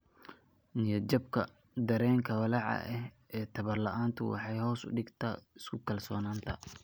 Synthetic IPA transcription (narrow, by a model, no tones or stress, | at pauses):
nɪjɔd͡ʒɐb̚kʰɐ̰ | d̪ɐɾɛːŋkʰɐwɑlɑʕɑ̰ʔɛh | ɛːt̪ʰɐβɐrlɐʔaːnt̪ʰʊ̰wɑ̰ħɑjhɔːsʊ̰ɖɪɡt̪ʰa̰ːɪskʰʊkʰɐlsɔ̰ːnaːnt̪ʰɐ